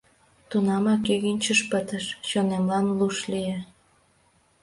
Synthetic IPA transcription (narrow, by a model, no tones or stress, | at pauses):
t̪unɑmɑkeɣinʲt͡ɕəʃpət̪əʃt͡ɕonemlɑnluʃlije